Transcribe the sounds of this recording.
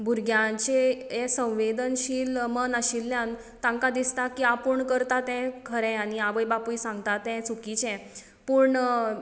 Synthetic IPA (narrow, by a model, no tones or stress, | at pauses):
bʱuɾɡʱjãt͡ɕeɛsə̃w̃ʋed̪ənɕiːlmənəɕilːjãn | t̪ãŋkad̪ist̪akiːapuɳkəɾt̪at̪ɛ̃kʰəɾɛ̃añiaʋəjbapujsãŋɡt̪at̪ɛ̃t͡sukit͡ɕɛ̃ | puɾɳ